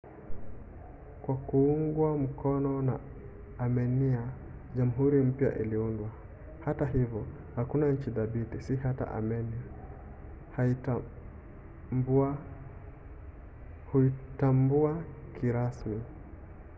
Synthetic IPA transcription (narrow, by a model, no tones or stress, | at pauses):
kwakuuŋɡwam̩kɔnɔna̰ː | mɛnia | ʄamuɦuɾim̩pja̰ʔiliundwa | hataɦivɔ | hakunaɲ̩t͡ʃiðabitisihata̰ʔa̰mɛnia | hai | ba | huitambuakʰiɾasmi